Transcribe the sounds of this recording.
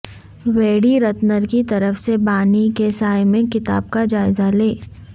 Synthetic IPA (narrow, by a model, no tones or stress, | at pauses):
weːɽiɾɐt̪nəɾkit̪ɐɾəfsebaːnikesaːjmẽkɪt̪a̰ːb̚kad͡ʒaːɪzaleː